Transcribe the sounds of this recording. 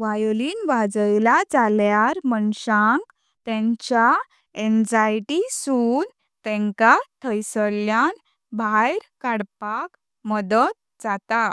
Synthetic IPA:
ʋajɔliːnʋad͡zəjlad͡zaljaɾməɳɕãŋk | t̪ɛ̃ɲt͡ɕa | ɛnd͡zajʈisun | t̪ɛ̃ŋkat̪ʰəjsəljan | bʱajɾkaɽpak | məd̪ət̪̚d͡zat̪a

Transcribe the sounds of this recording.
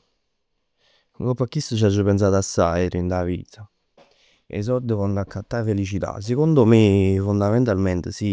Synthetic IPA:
ɡɔpːakːist̪ut͡ʃ̬ad͡ʒːupɛns̬aːd̪asːa̰jɾind̪avḭːt̪a | ḛs̬ɔɾd̪əfɔnd̪akʰːat̪ːafelit͡ʃit̪a̰s̬ekond̪omefund̪amɛnt̪almɛnt̪əsi

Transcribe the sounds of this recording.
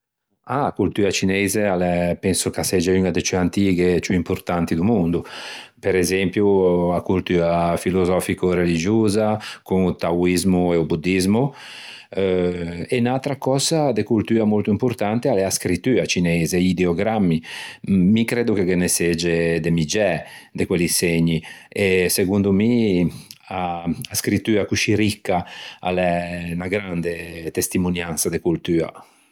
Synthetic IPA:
akult̪yːat͡ʃinɛzealɛpɛnsukasɛd͡ʒeynad̪et͡ʃyant̪iːɡet͡ʃuimpuɾt̪ant̪id̪umund̪upeɾezɛmpjuakult̪yːafilozɔːfikoɾelid͡ʒoːzakuŋut̪awizmueubud̪ːizmu | enalt̪ɾakɔːzad̪ekult̪yːamolt̪uimpuɾt̪ant̪ealɛaskɾit̪ːyːat͡ʃinezeid̪eoɡɾamːi | mikɾed̪ukekenesed͡ʒed̪emid͡ʒɛd̪ekweliseɲːieseɡund̪umi | aaskɾit̪ːyːakuʃiɾikːaa̰lɛnaɡɾand̪et̪est̪imunjansad̪ekult̪yːa̰

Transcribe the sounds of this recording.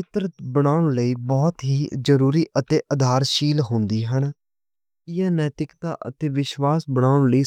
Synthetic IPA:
ɪt̪ɾət̪bəɽ̃aːʊɽ̃ləiːbɔːt̪ɦiːzəɾuːɾiːʔət̪eːʔəd̪ʱaːɾʃiːlɦʊ̃nd̪iːɦən | ɪjãːnɛːt̪ɪkt̪a̰ːʔə̰t̪eːʋɪʃʋaːsbəɽ̃aːɽ̃ləiː

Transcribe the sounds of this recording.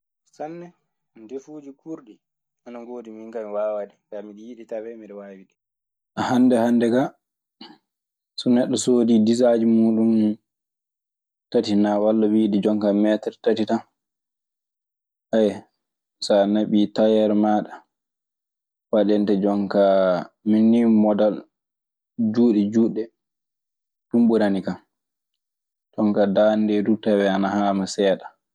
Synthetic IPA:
sanːɛ | defuːd͡ʒikuɾɗi | ʔanaɡoːdimiŋkamiwaːwadɛŋɡamiɗijiɗitawɛmiɗɛwawiɗi | ʔahandɛhandɛɡa | sɔnɛɗːɔsoːdidizad͡ʒimuɗum | tatinawalːawidid͡ʒɔŋkamɛtɛɾtatita | ʔaj | sanaɓitajɛɾmaːɗa | waɗɛntad͡ʒɔŋkaminːimɔdal | d͡ʒuːɗɛd͡ʒuːɗɛ | ɗumɓuɾanika | tɔŋkadandɛdutawɛanahaːmasɛːɗa

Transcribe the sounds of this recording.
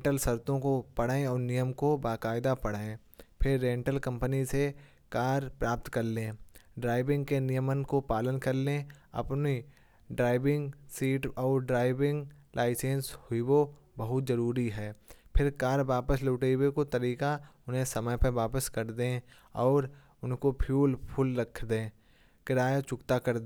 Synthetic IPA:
ʈəlsɐɾt̪õkopɐɽaːẽɔːɾnijəmkobaːkaːɪd̪apɐɽ̤aːẽ | pʰɪɾːẽːɳʈəlkɐ̃mpənise | kaːɾpɾaːp̚t̪kɐɾlẽɖɾaːɪbɪ̃ŋɡkenɪjəmənkopaːlənkɐɾlẽɐ̰pni | ɖɾaːɪbɪ̃ŋɡsiːʈɔːɾɖɾaːɪʋɪ̃ŋɡ | lʔaːɪsẽːnshʊiwo | bɐɦʊt̪zɐɾuːɾiɦɛːpʰɪɾkaːɾʋaːpəsloːʈeːwekot̪ɐɾiːkaʊnɦẽsɐməjpəʋaːpəskɐɾd̪ẽ | ɔːɾ | ʊnkopʰjuːlpʰʊlɾɐkʰd̪ẽː | kɪɾaːjat͡ʃʊkt̪akɐɾd̪

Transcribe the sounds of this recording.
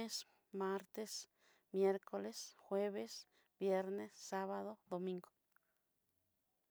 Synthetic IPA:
es | maɾt̪es | mjeɾkʰolesxweβes | bjeɾnesːaβaðod̪omĩŋɡo̥

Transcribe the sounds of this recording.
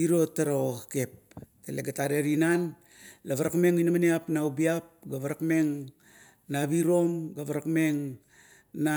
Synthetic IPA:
iɾo̞tːaɾoakep̚ | teleɡataɾeɾinan | laβaɾakme̞ŋinamaneapnaubiap̚ɡaβaɾakme̞ŋ | nabiɾo̞mɡaβaɾakme̞ŋ | na

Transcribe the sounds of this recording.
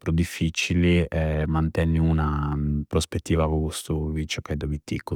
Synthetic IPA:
pɾud̪ifːit͡ʃiliɛmant̪ɛnːiunapɾɔspet̪ːiːvakukust̪uvit͡ʃɔkːajd̪obit̪ːḭkːu

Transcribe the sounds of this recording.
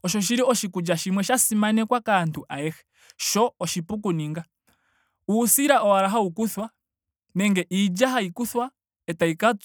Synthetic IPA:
ɔʃɔʃ̬iɾiɔʃikud͡ʒaʃimwɛʃasimanɛkwakantuʔaɛxɛ | ʃɔɔʃipuk̬uniŋɡa | uːsiɾaʔɔaɾaɦaukuθwa | nɛŋɡɛʔiːd͡ʒaɦaikuθwa | ɛtaikat͡s

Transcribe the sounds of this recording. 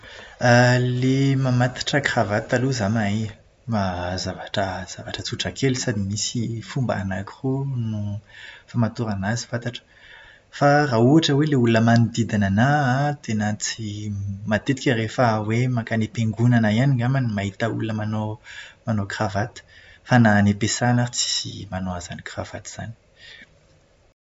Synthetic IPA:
alemamat̪ḁʈ͡ʂəkravat̪aluzamai | mazavaʈ͡ʂəz̥avaʈ͡ʂət͡suʈ͡ʂəkʰelusad̪imisifumba̰anakirunufamat̪uɾanazifat̪aʈ͡ʂə̥ | farauaʈ͡ʂəweleulunəmanud̪id̪ananat̪enət͡simat̪et̪i̥kʲərefəwemakanepeŋɡunanaianiŋɡamanimaɦit̪aṵlunəmanomanokravat̪i̥fananepesanat͡si̥sḭmanoaza̰nikravat̪i̥z̥a̰ni̥

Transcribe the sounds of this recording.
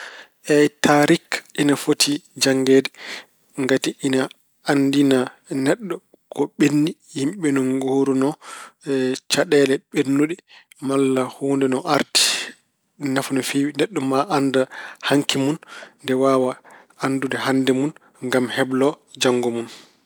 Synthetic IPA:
ʔɛtʰaɾikʔinafotʰid͡ʒaŋɡɛdɛ | ŋɡatiʔina | andina | nɛɗːɔ | kɔɓenːihimɓɛnɔnɡoːɾunɔ | t͡ʃaɗɛlɛɓenːuɗi | malːahoːndɛnɔʔaɾti̥ | nafunɔfiwnɛɗːɔmaʔːndahaŋkimunndɛwaːwa | andudɛhandɛmun | ŋɡamhɛblɔ | d͡ʒaŋːɡɔmun

